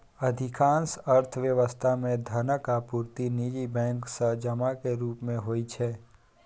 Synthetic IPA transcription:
əd̪ʱɪkʰãːnsəɾt̪ʰʋjəʋəst̪ʰamẽd̪ʱənəkapuːɾt̪inid͡ʒibɛ̃ːŋksəɦd͡ʒəmakeɾuːpmẽɦoːit͡ʃʰɛː

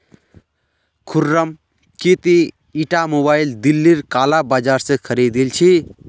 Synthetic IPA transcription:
kʰurːʌm | kit̪i | iʈamobajld̪ilːiɾkalabad͡ʒaɾsekʰəɾid̪ilt͡ʃʰi

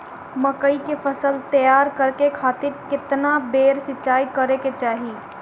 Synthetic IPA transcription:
məkəikepʰəsəlt̪əjaːɾkəɾkekʰaːt̪ɪɾkɪt̪nabeːɾsɪt͡ʃaːikəɾeket͡ʃaːɦiː

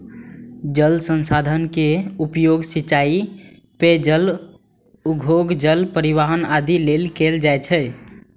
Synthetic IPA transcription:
d͡ʒəlsənsad̪ʱənkeupjoɡsit͡ʃai | ped͡ʒəl | uɡʱoɡd͡ʒəlpəɾiʋaɦənad̪ilelkeld͡ʒajt͡ʃʰə

